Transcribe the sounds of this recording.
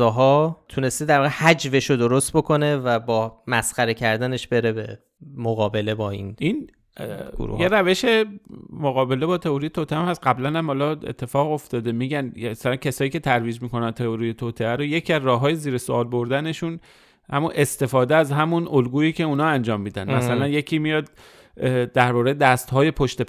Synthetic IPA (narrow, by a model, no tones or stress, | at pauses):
ɒːɦɒːt̪ʰune̞st̪ed̪æɾvɒːɣehæd͡ʒve̞ʃod̪oɾost̪̚bo̞kʰo̞ne̞væbɒːmæsxæɾe̞cʰæɾd̪æne̞ʃbe̞ɾe̞be | moɣɒːbe̞le̞bɒːḭːnin | ɡṵɾṵjeɾæve̞ʃe̞moɣɒːbe̞lebɒːt̪ʰe̞oɾijet̪ʰot̪ʰeæmhæst̪ɢæblænæmhɒːlɒḛt̪ʰːe̞fɒːɣo̞ft̪ɒːd̪e̞miːɟænæsælæncʰesɒːiːcʰe̞t̪ʰæɾviːd͡ʒmiːko̞nænt̪ʰeoɾijet̪ʰoːt̪ʰeæɾoje̞cʰiæzɾɒːɦɒːjeziːɾesoɒːlboɾd̪æne̞ʃun | hæ̰munʔe̞st̪e̞fɒːd̪eæzɦæmunolɡuːiːcʰe̞uːnɒːænd͡ʒɒːmːiːd̪ænmæsælænje̞cʰiːmijɒːd̪̚ | d̪æɾbɒːɾejed̪æst̪hɒːje̞pʰoʃt̪e